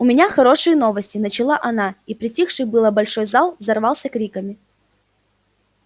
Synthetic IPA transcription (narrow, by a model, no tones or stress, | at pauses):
ʊmʲɪnʲaxɐɾo̞ʂɨjəno̞vəsʲtʲɪnət͡ɕɪlˠaʔɐnaipɾʲɪtʲixʂɨjbɨlˠəbɐlʲʂo̞jzalˠzɐrvɑlˠsʲəkɾʲikəmʲɪ